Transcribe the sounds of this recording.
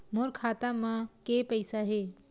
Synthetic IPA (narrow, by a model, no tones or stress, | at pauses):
moɾkʰaːt̪amãkepəɪsaɦeː